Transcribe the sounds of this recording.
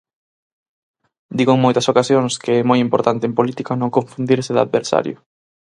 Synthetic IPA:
d̪iɣoeŋmojt̪ɐsokasjoŋskeɛmojimpoɾt̪ant̪empolit̪ikanõŋkõɱfund̪iɾsɪða̰ðβeɾsa̰ɾjʊ

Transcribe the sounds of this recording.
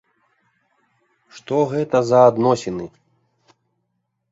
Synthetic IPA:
ʂt̪ɔɣɛt̪ɐzɐːd̪nɔsʲɛnɨ

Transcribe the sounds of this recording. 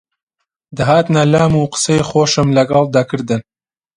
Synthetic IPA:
d̪aɦaːt̪nɐlaːmuːqə̥sejχoːʃɨmlɐɡɐlˠd̪ɐkʰɨɾd̪ɨn

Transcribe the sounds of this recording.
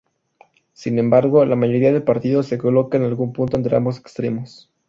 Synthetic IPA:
sinẽ̞mbaɾɣo̞lamaʝo̞ɾiaðe̞lpaɾt̪iðo̞se̞ko̞lo̞kaenalɣumpunt̪oent̪ɾea̰mbo̞se̞̥kst̪ɾe̞mo̞s

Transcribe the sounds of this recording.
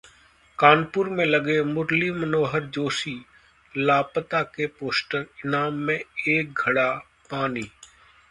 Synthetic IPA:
kaːnpʊɾmẽləɡeːmʊɾlimənoːɦəɾd͡ʒoːsiː | laːpət̪aːkeːpoːsʈəɾɪnaːmːẽːeːk̚ɡʱəɽaː | paːniː

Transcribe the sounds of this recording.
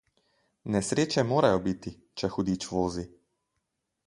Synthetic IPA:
nɛsɾeːt͡ʃɛmoːɾajɔbit̪i | t͡ʃɛxud̪iːt͡ʃʋoːzi

